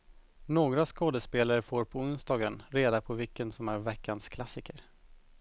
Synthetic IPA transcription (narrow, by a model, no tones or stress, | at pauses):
noːɡɾaskoːd̪əspeːlaɾəfoːɾpʰɔʊnst̪ɑːɡənɾeːd̪apʰɔvɪkːənsɔmæɾvɛkːanskʰlasɪkəɾ